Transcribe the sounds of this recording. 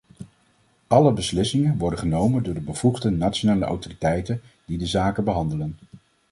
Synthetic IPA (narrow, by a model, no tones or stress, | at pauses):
ʔɑləbəslɪsɪŋənʋɔɹdəχənowməndʊːɹdəbəv̥uχdənatt͡ʃonaːləʔa̰wtoritɛjtən | d̥idəzaːkəbəɦɑndələn